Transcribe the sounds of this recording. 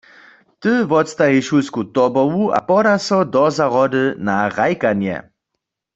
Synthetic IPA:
t̪ɨvɔt̪st̪aɦiʃulskut̪ɔbɔvua̰pɔdasɔd̪ɔzaʁɔdɨnaʁajkanjɛ̰

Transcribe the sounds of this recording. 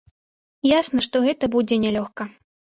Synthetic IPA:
jasnɐʂt̪ɔɣɛt̪ɐbud͡zʲɛnʲɛlʲɔxkɐ

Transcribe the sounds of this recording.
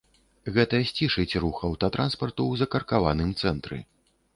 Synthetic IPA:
ɣɛt̪ɐsʲt͡sʲiʂɨt͡sʲruxɐwt̪ɐt̪ɾʔanspɐrt̪uwzɐkɐrkavanɨmt̪sɛnt̪ɾɨ̰

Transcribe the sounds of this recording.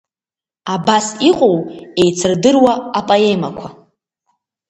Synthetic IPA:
abasiqʼowe̞jt͡sʰɨrdɨrwaapʼaemakʷʰa

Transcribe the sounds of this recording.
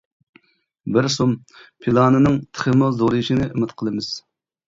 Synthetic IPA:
bɪɾsum | pʰilˠɑːnɨnɨŋt̪ʰə̥χəmɨzoɾɨjiʃinɨʔɪmɪt̪qʰəlˠɨmɨz̥

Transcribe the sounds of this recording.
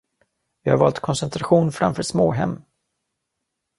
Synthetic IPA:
vɪha̰ɾvɑːlt̪kʰɔnsɛnt̪ʰɾaɧuːnfɾa̰mfœːʂsmoːɦɛ̰mː

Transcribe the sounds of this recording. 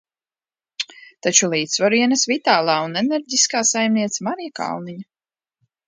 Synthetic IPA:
t̪at͡ʃulˠiːt̪svɔɾiɛnɐsvit̪aːlˠaːunɛnɛɾɟʲiskaːsajmniɛt̪samaɾijaka̰lˠniɲa

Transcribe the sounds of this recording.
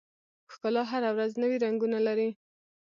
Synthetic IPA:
xkɑlɑɦaɾawɾaznəwiɾaŋɡunalaɾi

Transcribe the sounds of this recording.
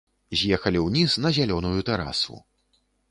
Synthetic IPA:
zʲjɛxɐlʲiwnʲisnɐzʲalʲɔnujut̪ɛɾa̰sṵ

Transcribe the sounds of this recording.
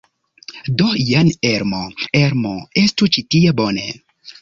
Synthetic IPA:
dojaneɾmoeɾmoestut͡ʃitiebonḛ

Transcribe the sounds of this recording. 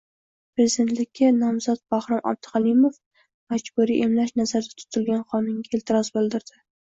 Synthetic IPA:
pɾezɪd̪e̞nt̪lɪkʲʰːanɒmzɒt̪̚b̥ahɾɑma̰b̚d̪ɪqalˠɪmof | mad͡ʒbuɾiʔemlaʃnazaɾd̪at̪ʰʊ̥t̪ʰɪlɡʲanχɒnɪŋɡʲaelt̪ʰɪɾɒzbɨlˠd̪ɪɾd̪̥ɪ

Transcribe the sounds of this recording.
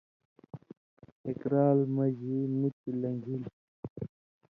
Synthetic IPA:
ekɾaːlmɐʑimit̪ilɐŋɡʱil

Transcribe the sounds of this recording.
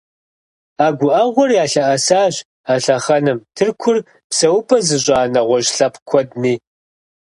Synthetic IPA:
aːɡʷʊʔɐʁʷɔrjaːɬɐʔɐsaːɕ | aːɬɐχɐnɨmtʰɨrkʷʰʊr | psɐwʊpʰʼɐzɨɕʼaːnɐʁʷɔʑɬɐpʰkʷʰɔdniː

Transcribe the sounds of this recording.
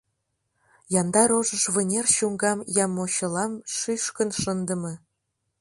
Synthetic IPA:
jɑnd̪ɑɾoʒə̆ʃβɤ̆nʲerɕuŋɡɑmjɑmːoɕɤ̆lˠɑmʃiʃkə̆nʃənd̪ə̆mɤ̆

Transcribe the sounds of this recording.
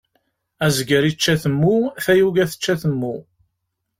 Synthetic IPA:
æzɡəɾit͡ʃːæθəmːuθæjuɡæθə̥t͡ʃːæθəmːu

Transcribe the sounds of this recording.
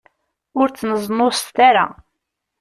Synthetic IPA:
ʊɾt͡sːnəzˤnːost̪aɾa̰

